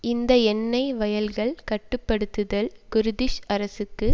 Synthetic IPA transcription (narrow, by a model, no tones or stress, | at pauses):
ɪnd̪ɐɛnːɐɪʋɐjɐlɣɐɭkɐʈːɯpːɐɽɯt̪ːɯðɐlkʊɾɯðɪʂɐɾɐsɯkːɯ